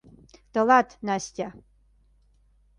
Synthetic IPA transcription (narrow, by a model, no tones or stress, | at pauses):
t̪ɐlatʰnastʲa